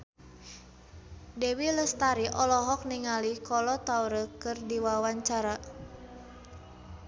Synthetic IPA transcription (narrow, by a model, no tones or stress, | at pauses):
dɛwiləst̪aɾiʔɔlɔɦɔk̚niŋalikɔlɔt̪auɾəkɨrdiwawaɲt͡ʃaɾa